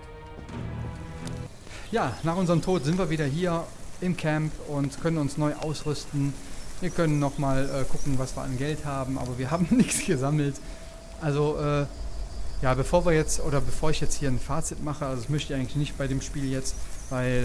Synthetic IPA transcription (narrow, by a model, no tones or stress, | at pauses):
jaːnaːχʔʊnzəʁəmtʰoːtz̥ɪntv̥iːɐviːdɐɦiːɐɪmkʰɛmpʊntkʰœnənʊnsnɔʏʔa̰ʊsʁʏstn̩viːɐkʰœnənːɔχmaːlʔɛːkʰʊkŋ̩vasv̥iːɐʔa̰nɡɛlthaːbm̩ʔa̰ːbɐviːɐɦaːbm̩nɪçt͡sɡ̥əzaml̩t | ʔalzoʔɛː | jaːbəfoːɐviːɐjɛt͡sʔoːdɐbəfoːɐɪçjɛt͡sthiːɐnfaːt͡sɪtmaχəalzoɪçmœçtə̥iʔaɪŋ̩tlɪçnɪçtb̥aɪɾeːmʃpiːljɛt͡stv̥aɪl